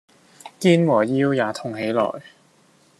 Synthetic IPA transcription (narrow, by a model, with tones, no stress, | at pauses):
kiː˥nwɔː˨˩jiː˥wjaː˨˩t̪ʰʊ˨ŋɦe˨˥jlɔ̰ː˨˩j